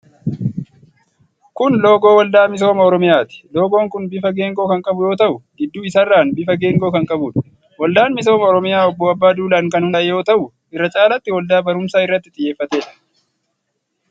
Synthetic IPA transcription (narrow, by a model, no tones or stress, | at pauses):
kʊnlo̞ːɡo̞ːwɐld̪aːmɪs̬o̞ːmɐɔɾɔmɪjaːt̪ɪ̥lo̞ːɡo̞ːŋkʊnbɪfɐɡe̞ːŋɡo̞ːkɐŋkʼɐbʊjo̞ːt̪ɐʔʊɡɪd̪ːuːɪsɐrːaːnbɪfɐɡe̞ːŋɡo̞ːkɐŋkʼɐbuːᶑɐ̥ | wɐld̪aːnmɪs̬o̞ːmɐɔɾɔmɪjaːɔbːɔɐbːaːd̪uːlɐːŋkɐnhʊjo̞ːt̪ɐʔʊ | ɪrːɐt͡ʃʼaːlɐt̪ːɪwɐld̪aːbɐɾʊmsaːɪrːɐt̪ːɪt̪ʼɪjːe̞ːfːɐt̪e̞ːᶑɐ̥